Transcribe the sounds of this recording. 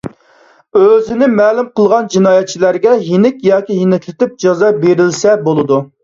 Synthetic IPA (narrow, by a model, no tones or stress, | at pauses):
øzɪnɪmɛːlumqəlˠʁɑnd͡ʒinɑːjɛt̪̚t͡ʃʰilæɾɡʲɛɦinɪkʲjɑːkʲiɦinɛkʲlɪt̪ɪp̚d͡ʒɑzɑbeɾɪlsɛbolˠɨd̪u